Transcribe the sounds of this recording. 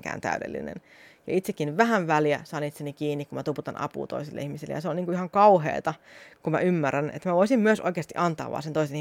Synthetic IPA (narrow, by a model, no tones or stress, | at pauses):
ŋkæ̰ːnt̪æ̰ydḛlːḭnḛn | jɑ̰it̪sekːinʋʋæɦænʋæljæsɑːnit̪senikiːnːikkumæt̪uput̪ɑnɑ̰pṵːt̪oisilːḛihmiselːḛjɑseoniːŋkuihɑŋkɑuɦḛːt̪ɑkumæ̰ymːærːænḛt̪mæʋoisimmyøsʔo̰ikeɑst̪iʔɑnt̪ɑ̰ːʋɑ̰ːsent̪oiseni